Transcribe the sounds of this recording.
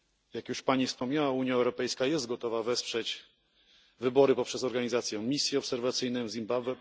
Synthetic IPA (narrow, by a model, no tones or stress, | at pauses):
jakjuʂpaɲifspɔmɲawauɲjaɛwɾɔpɛjskajɛst̪̚ɡɔt̪ɔvavɛspʂɛt͡ɕ | vɘbɔɾɘpɔpʂɛz̬ɔɾɡaɲizat̪sʲjɛmʲisʲjɛɔpsɛɾvat̪sɘjnɛvzʲimbabvɛ